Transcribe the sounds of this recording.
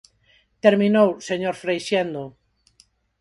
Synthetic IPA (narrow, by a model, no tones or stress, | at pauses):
t̪eɾminowseɲoɾfɾejʃend̪o